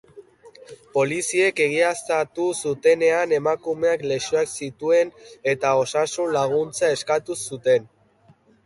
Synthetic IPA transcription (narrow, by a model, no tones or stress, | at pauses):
po̞lisie̞ke̞ɣ̞iast̪at̪usut̪e̞ne̞ane̞makume̞akle̞suaksit̪ue̞ne̞t̪ao̞sasunlaɣ̞unt͡sae̞skat̪usut̪e̞n